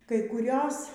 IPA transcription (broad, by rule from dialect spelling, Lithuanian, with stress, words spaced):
kɐɪ kʊˈrʲoːs